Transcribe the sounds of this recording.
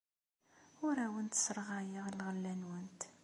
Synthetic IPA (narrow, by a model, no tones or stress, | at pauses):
ʊɾæwənt̪səɾˤʁajəʁlʁəlːænwənt̪